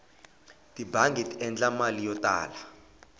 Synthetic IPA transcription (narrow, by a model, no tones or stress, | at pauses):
tʼibʱaŋɡʱɛtʰɛnd͡ɮamalijɔtʼa̰ːla